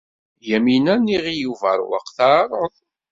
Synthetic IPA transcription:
jæminænːiʁijuvə̰ɾ̰ˤwə̰qθɑɾˤəðˤ

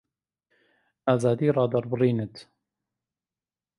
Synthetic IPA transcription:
ʔaːzaːd̪iːɾˤɑːd̪ɑɾˤbrˤiːnət̪

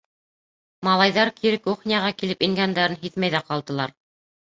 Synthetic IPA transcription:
mɑlˠɑjðɑɾkʰiɾɘkuχnʲijɑʁɑkilɘpiŋɡænd̪æɾɘnɦiðmæjðæqɑlˠd̪ɤ̆lˠɑɾ

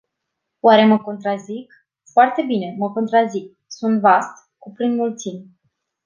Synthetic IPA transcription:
waɾe̞məko̞nt̪ɾazik | foart̪e̞bine̞məko̞nt̪ɾazik̚ | sunt̪vast̪ | kupɾinmult̪sim

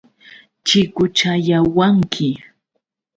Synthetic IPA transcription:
t͡ʃɪkʊt͡ʃajawaŋkʰɪ

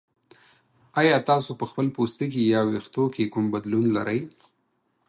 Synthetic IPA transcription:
ɑjɑt̪ɑsopəxpəlpost̪ik̬ejɑwext̪okekumbad̪lunlaɾəj

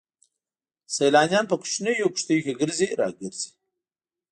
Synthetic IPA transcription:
sɐjlɑːnjɑnpəkʊ̥ʃnejokʂt̪əjokʲeɡəɾziɾɑ̰ɡəɾz̥i̥

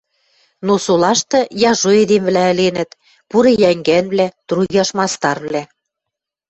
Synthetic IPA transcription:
nosolɑʃt̪ɤ̆jɑʒoed̪emβlæə̆lenə̆t̪ | puɾejæŋɡænβlæt̪ɾuɣʲɑʃmɑst̪ɑrβlæ

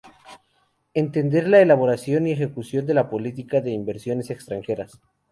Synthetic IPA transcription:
e̞nt̪e̞nd̪e̞ɾlaelaβ̞o̞ɾasjo̞nie̞xe̞kusjo̞nd̪e̞lapo̞lit̪̬ikaðe̞imbe̞ɾsjo̞ne̞sekst̪ɾaŋxe̞ɾas

